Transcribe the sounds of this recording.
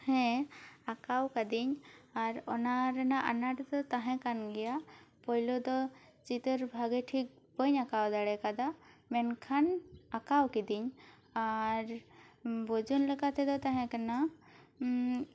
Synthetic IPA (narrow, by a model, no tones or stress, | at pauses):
hɛ̃akawkad̪iɲaɾɔnaɾɛnaʔanaɾd̪ɔt̪aɦɛ̃kanɡɛjapɔjlɔd̪ɔt͡ʃit̪əɾbʱaɡɛʈʰik̚ | bəɲakawd̪aɽɛkad̪amɛnkʰanakawkid̪iɲ | aɾ | bɔd͡ʒunlɛkat̪ʰɛd̪ɔt̪aɦɛ̃kana